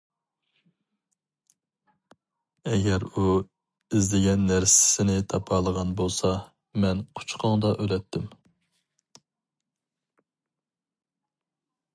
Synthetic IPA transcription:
ɛɡʲɛɾu | ɪzlɪɡʲɛnːæɾsɪ̥sɪnɪt̪ʰɑpʰɑlˠəʁɑnbolˠsɑ | mɛnqʰʊ̥t͡ʃʰqʰɑŋd̪ɑʔølɛt̪ʰːɪm

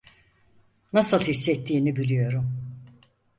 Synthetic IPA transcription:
nasɯlˠhisːɛt̪ʰːiːnibilʲijo̞ɾum

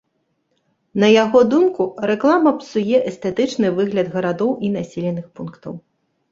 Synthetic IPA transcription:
nɐjaɣɔd̪umkuɾɛklˠamɐpsujɛʔɛst̪ɛt̪ɨt͡ʂnɨvɨɣlʲɐd̪ɣɐɾad̪ɔwʔinasʲilʲɛnɨxpunkt̪ɐ̰w

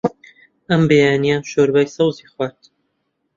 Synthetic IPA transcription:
ɐmbejaːnijaʃoːɾbaːjsɐwziːxwaːɾt̪

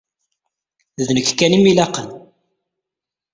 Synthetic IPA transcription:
ðnəkːkːænimilɑqən

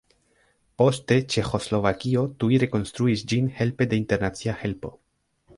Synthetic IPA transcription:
po̞ste̞t͡ʃe̞xo̞slo̞vakio̞tuiɾe̞ko̞nstɾuisd͡ʒinhe̞lpe̞de̞inte̞ɾnat͡siahe̞lpo̞̰

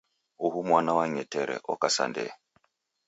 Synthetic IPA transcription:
uɦumwanawaɲɛtɛɾɛ̰ʔɔkasa̰ndɛ̰

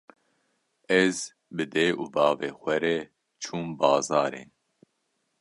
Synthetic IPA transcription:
ɛz | bɨd̪eːʔuːbɑːveːxʷɛɾɛ | t͡ʃʰuːmbɑːzɑːɾḛːn

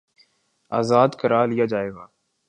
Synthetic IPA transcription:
aːzaːd̪kəɾaːlɪjaːd͡ʒaːeːɡaː

